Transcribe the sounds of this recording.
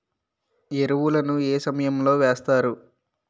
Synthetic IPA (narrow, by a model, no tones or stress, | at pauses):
eɾuʋulɐnueːsɐmɐjɐmlo̞ːʋeːst̪aːɾu